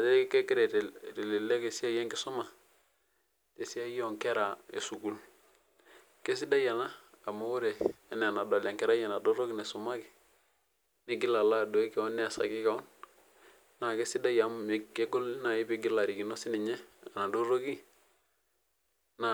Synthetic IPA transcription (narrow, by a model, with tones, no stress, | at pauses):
a˨te˦ke˦ki˦ɾɛ˨tte˨li˨le˦ke˨si˦a˦jɛ˦ŋkɪ˦su˦ma˨ | te˨si˦a˦jɔ˦˨ŋkɛ˦ɾa˨ḛ˨su˨ku˨l | ke˦s̬i˦da˦ja˨naː˦˨mo˦u˦ɾeː˨˦nɛ˨na˨do˨la˨ŋkɛ˦ɾa˦ja˨na˨do˦ɾo˦ki˦ne˨su˨ma˦ki˨ | ni˦ɡi˦la˨la˦˨do˨i˦kɛ˨ɔ˦nːɛ˦a˨sa̰˨kɪ˦ka˨ɔ˦n | na˨ke˦si˦da˦ja˨˦mme˨e˦ko˦lna˨ɪ˦bi˨ɡi˦la˨ɾi˨ki˨no˦si˦ni˨ɲɛ˦a˨na˨do˦ɾo˦ki˦ | na˨